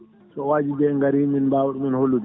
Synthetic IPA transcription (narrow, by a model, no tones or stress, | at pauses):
sɔwaːd͡ʒibɛŋɡaɾiminbaːwuɗuminholːudɛ